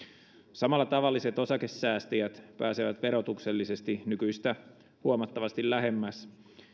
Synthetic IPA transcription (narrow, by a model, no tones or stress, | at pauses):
sɑmɑlːɑt̪ɑʋɑlːise̞t̪o̞sɑke̞sːæːst̪ijæt̪pæːseʋæt̪ʋe̞ɾo̞t̪ukse̞lːise̞st̪inykyist̪æ | huomɑt̪ːɑʋɑst̪illæɦe̞mːæs